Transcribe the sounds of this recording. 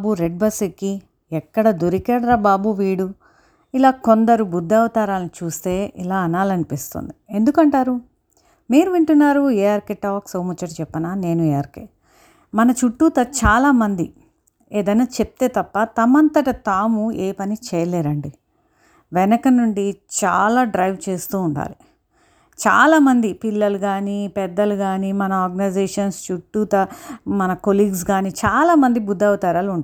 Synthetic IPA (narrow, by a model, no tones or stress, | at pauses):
buɾeɖ̚bɐsiki | ɛkːɐɽɐd̪uɾikɛːɽɐɾɐbaːbuʋiːɽu | ilaːkond̪ɐɾubud̪ːɐwt̪aːɾaːlnit͡ʃuːst̪e̞ːʔḭlaːɐnaːlɐnipist̪o̰nd̪ie̞nd̪ukɐɳʈaːɾu | miːɾuʋiɳʈunːaːɾueːaɾkeʈːɐʋɐksoːmut͡ʃːɐʈit͡ʃɛpːɐnaːne̞ːnuɛaːɾkḛː | mɐnɐt͡ʃuʈːuːt̪ɐt͡ʃaːlaːmɐnd̪i | eːd̪ɐjnaːt͡ʃep̚t̪e̞ːt̪ɐpːɐt̪ɐmɐnt̪ɐʈit̪aːmueːpɐnit͡ʃɛːjɐleːd̪ɐɳɖi | ʋɛnɐkɐnːuɳɖit͡ʃa̰ːlaːɖɾɐjʋt͡ʃe̞ːst̪uːɳʈa̰ːlu | t͡ʃa̰ːlaːmɐnd̪ipilːɐluɡaːnipɛd̪ːɐluɡaːnimɐnɐaːɾɡɐnɐjd͡ʒeːʂɐnst͡ʃuʈːuːt̪ɐmɐnɐkoliːɡs̬ɡaːnit͡ʃaːlaːmɐnd̪ibud̪ːɐwut̪aːɾɐːluɳ